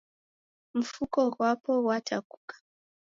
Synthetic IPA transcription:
m̩fukɔɣwapɔwatʰaku̥kḁ

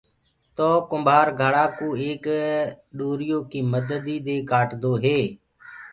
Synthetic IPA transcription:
t̪oːkʊmbʱaːɾɡʱaɽaːkoːeːk | ɗoːɾɪjoːkiːməd̪əd̪iːɗ̪eːkaːʈd̪oːɦeː

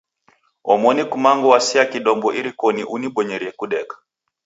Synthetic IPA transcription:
ɔmɔnikumaŋɡɔwasiakiɗɔmbɔʔiɾikɔniʔuniɓɔɲɛɾiɛkuɗɛkḁ

